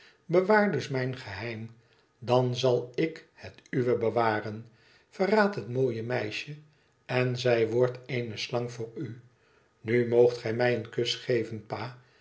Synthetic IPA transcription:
bəʋaːɹdɵsmɛjnχəɦɛjm | dɑnzɑlˠɪkhətyʋəbəʋaːrən | fəraːtɦətmoːjəmɛjʃə | ɛnzɛjʋɔɹtʰeɪnəslɑŋvʊːɹy | nymowχtχɛjmɛjənkɵsχejvənpaː

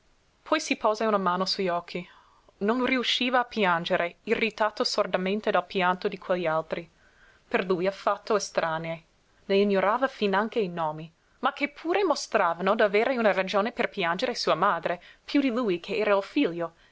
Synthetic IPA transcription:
pʰɔjsipɔːzaunamaːnosuʎɔkʰːi | nonriuʃːiːvaːpjand͡ʒeɾʔeirːit̪aːt̪osord̪amẽnt̪ed̪alpjant̪od̪ikʰweʎːialt̪ɾi | perlujafat̪ːoest̪ɾʔaːnee | leiɲːoɾaːvafinaŋkeinɔːmi | makːepʰuːɾemost̪ɾaːvanod̪aveːɾeunarad͡ʒoːneperpjand͡ʒeɾesuːamaːd̪ɾepʰjud̪iluːjkʰeɛːɾailfiʎːo

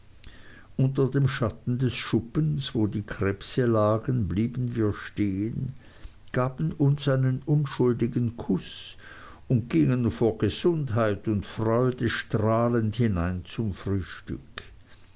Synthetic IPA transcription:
ʔʊntɐdeːmʃatn̩dɛsʃʊpənsvoːdiːkʁ̥ɛpsəlaːɡənbliːbən̩viːɐʃteːən | ɡ̥aːb̥ən̩ʊnsaɪnənʊnʃʊldɪɡn̩kʰʊs | ʊnt̚ɡ̥ɪŋənfoːɐɡ̥əz̥ʊndɦaɪtʊntfʁ̥ɔʏdəʃtʁaːlənthɪnaɪnt͡sʊmfʁ̥yːʃtʏ̰k

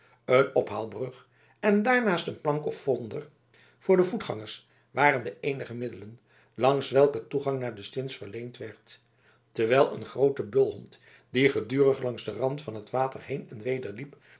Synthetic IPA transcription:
ənɔpɦaːlˠbrɵχ | ɛndaːɹnaːstənplɑŋkɔfːɔndəɹ | v̥ʊːɹdəvutχɑ̰ŋəɹs | ʋaːrəndəʔejnəχəmɪdələn | lɑŋsʋɛlˠkətuχɑŋnaːɹdəstɪnsfəɹlejntʋɛɹt | təɹʋɛlˠə̰nχrowtəbɵlˠɦɔnt | d̥iχədyːrəχlɑŋzdərɑntfɑnɦətʋaːtəɹɦejnɛnʋejdəɹlip

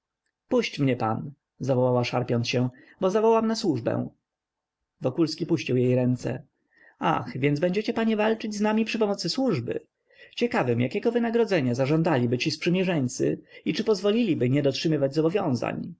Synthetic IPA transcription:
puɕt͡ɕmɲɛpa̰n | zavɔwawaʂaɾpʲjɔnsɕɛ | bɔzavɔwamnaswuʐbɛ̰w̃ | vɔkulskʲipuɕt͡ɕiwjejɾɛnt̪sɛ̰ | a̰xvʲjɛnzbɛɲd͡ʑɛt͡ɕɛpaɲɛvalt͡ʂɘd͡ʑznamʲipʂɘpɔmɔt̪sɘswuʐbɘ̰ | t͡ɕɛkavɘmjʔakʲɛɡɔvɘnaɡɾɔd̪zɛɲazaʐɔ̃nd̪alʲibɘt͡ɕispʂɘmʲjɛʐɛɲʲt̪sɘ̰it͡ʂɘpɔzvɔlʲilʲibɘɲɛd̪ɔtʂɘmɘvad͡ʑzɔbɔvʲjɔ̃w̃za̰ɲ

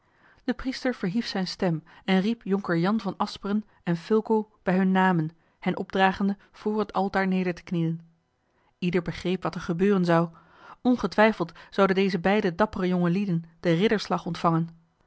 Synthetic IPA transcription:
d̥əpristəɹv̥əɹɦifsɛjnstɛmɛnripjɔŋkəɹjɑnvɑnɑspərən | ɛnfɵlˠkowb̥ɛjɦɵnːaːmən | hɛnʔɔb̚draːχəndə | v̥ʊːɹɦətɑlˠtaːɹnejdəɹtə̥knijən | idəɹbəχrejpʋɑtɛɹχəbøːrənzɑw | ʔɔnχətʋɛjfəlˠtz̥ɑwdəndejzəbɛjdədɑpərəjoŋəlidənd̥ərɪdəɹslɑχɔntfɑŋən

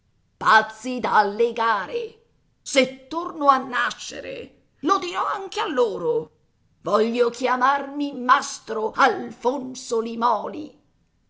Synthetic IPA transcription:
pat̪sːid̪aːlːeɡaːɾe | set̪ːornoanːaʃːḛɾḛ | lod̪iɾɔaŋkealːoːɾo | vɔʎːokjamarmimast̪ɾoʔalfonsolimɔːlḭ

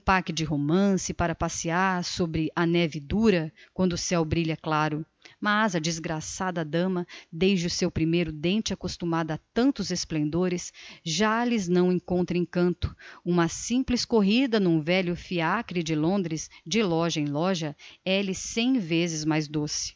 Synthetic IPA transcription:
ũpakɪd͡ʒɪɦomɐ̃sɪpaɾɐpasiaɾsobɾɪʔɐnɛvɪd̪uɾɐkwɐ̃nd̪ʊsɛwbɾiʎɐklaɾʊ | mazɐd͡ʒɪzɡɾasad̪ɐd̪ɐ̃mɐd̪ejzd͡ʒɪʊsewpɾimejɾʊd̪ẽnt͡ʃɪakost̪umad̪ɐat̪ɐ̃nt̪ʊzesplẽnd̪oɾɪsʒalɪznɐ̃w̃ẽŋkõnt̪ɾɐ̃ẽj̃kɐ̃nt̪ʊ̥ũmɐsĩplɪskoɦid̪ɐnũvɛʎʊfiakɾɪd͡ʒɪlõnd̪ɾɪsd͡ʒɪlɔʒɐẽj̃lɔʒɐɛlɪsẽj̃vezɪzmajzd̪osɪ̥

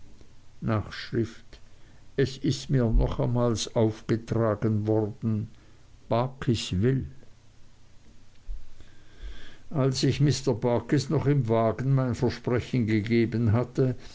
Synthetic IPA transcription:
naːχʃʁ̥ɪft | ɛsɪstmiːɐnɔχamaːlsʔaʊfɡ̥ətʁ̥aːɡənvɔʁdn̩ | b̥akʰɪsvɪl | ʔalsɪçmɪstɐbaɐkɪsnɔχɪmvaːɡən̩maɪnfɛɐʃpʁ̥ɛçn̩ɡəɡeːbənɦatə

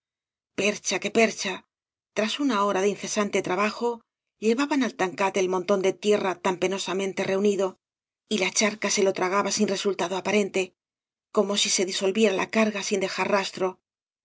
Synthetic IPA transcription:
pe̞ɾt͡ʃake̞pe̞ɾt͡ʃa | t̪ɾasunao̞ɾaðinθe̞sant̪e̞t̪ɾaβaxo̞ | ʎe̞βaβanalt̪aŋkat̪eːlmont̪o̞nd̪e̞t̪je̞rat̪ampe̞no̞samẽnt̪e̞re̞uniðo̞ | ilat͡ʃaɾkase̞lo̞t̪ɾaɣ̞aβasinre̞sult̪aðo̞apaɾe̞nt̪e̞ | ko̞mo̞sise̞ðiso̞lβje̞ɾalʔa̰kaɾɣasind̪e̞xaɾrast̪ɾo̞

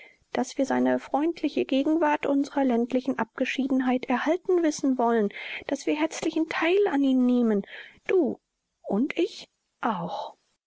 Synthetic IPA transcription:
d̥asv̥iːɐzaɪnəfʁ̥ɔʏntʰlɪçəɡeːɡŋ̩vaɐtʔʊnzəʁɐlɛntlɪçn̩ʔap̚ɡ̥əʃiːdn̩ɦaɪtɛɐhaltn̩vɪsn̩vɔlənd̥asv̥iːɐɦɛɐt͡slɪçn̩tʰaɪlaniːnːeːmənd̥uː | ʊntɪç | ʔaʊx

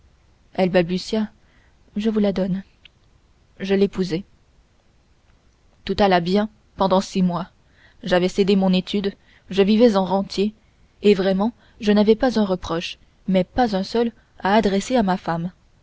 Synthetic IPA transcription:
ɛlbalbysja | ʒəvulad̪ɔn | ʒəlepuzɛ | t̪ut̪alabjɛ̃ | pɑ̃d̪ɑ̃simwa | ʒavɛsed̪emɔ̃net̪ʰyd̪ | ʒəvivɛzɑ̃ʁɑ̃t̪ʰjeː | vʁɛmɑ̃ | ʒənavɛpazɛ̃ʁəpχɔʃ | mɛpazɛ̃sœl | aːd̪ʁɛseamafam

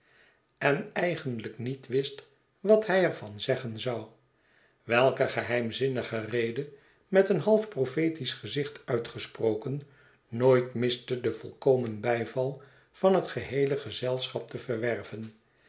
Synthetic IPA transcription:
ɛnɛjχənləknitʋɪst | ʋɑtɦɛjɛɹvɑnzɛχənzɑw | ʋɛlˠkəχəɦɛjmzɪnəχərejdə | mɛtənɦɑlˠfprofejtisχəzɪχtœɥtχəsprowkənː | oːjtmɪstədəv̥ɔ̰lˠkowmənbɛjvɑlˠ | v̥ɑnɦətχəɦejləχəzɛlˠsχɑp̚təvəɹʋɛrvən

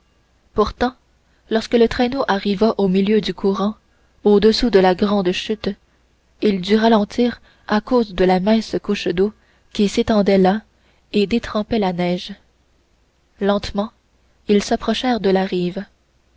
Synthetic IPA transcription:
puʁt̪ɑ̃ | lɔʁskələt̪χɛnoʔaʁivaʔomiljød̪ykʰuʁɑ̃ | od̪əsud̪əlaɡʁɑ̃ːd̪ʃyt̪ | ild̪yʁalɑ̃t̪iːʁ | akoːzd̪əlamɛ̃skuʃd̪o | kʲiset̪ɑ̃d̪ɛla | ed̪et̪χɑ̃pɛlanɛːʒ | lɑ̃t̪mɑ̃ | ilsapχɔʃɛːʁd̪əlaʁiːv

